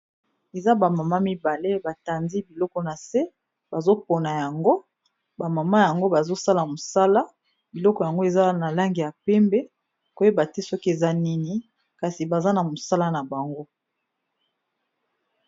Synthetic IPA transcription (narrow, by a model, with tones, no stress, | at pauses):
e˨za˦ba˨ma˨ma˦mi˦ba˨le˦ba˨ta˨ndi˦bi˨lɔ˦kɔ˨na˨se˦ | b̥a˨zo˦po˨na˨ja˨ŋɡo˦ | ba˨ma˨ma˦ja˨ŋɡo˦ba˨zo˦sa˦la˨mo˨sa˦la˦ | bi˨lɔ˦kɔ˨ja˨ŋɡo˦e˨za˦na˨la˦ŋɡi˨ja˨pɛ˦mbe˦ | ko˦e˦ba˨te˦sɔ˦ki˦e˨za˦ni˦ni˦ | ka˨si˨ba˨za˦na˨mo˨sa˦la˦na˨ba˨ŋɡo˦